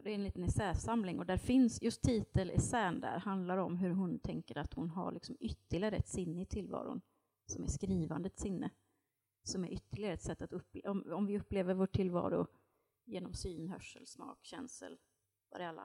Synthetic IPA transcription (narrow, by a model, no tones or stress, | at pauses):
d̪ɛɾɛnliːt̪ənɛsɛːsamlɪŋɔd̪æɾfɪnsjɵst̪ʰːiːt̪əlʔɛ̰sæːnd̪æ̰ɾhand̪laɾɔmɦɵɾɦʊnt̪ʰɛŋkəɾat̪hʊnɦa̰ɭʔɪksɔmʏt̪ːəlɪaɾəɛt̪sɪnːəɪt̪ʰɪlvɑ̰ːɾʊ̰n | sɔmæʂkɾiːvand̪əɛt̪sɪnːə | sɔmæɾʔʏt̪ːəɭɪɡaɾɛt̪sɛt̪ːat̪ɵp̪ːɔmɔmvɪɵpːleːvəɾvoːʈʰːɪlːvɑ̰ːɾʊ̰ | jeːnɔmsyːnɦœʂːə̰lsmɑ̰ːkɕɛ̰nsə̰l | va̰ɾɛalːa̰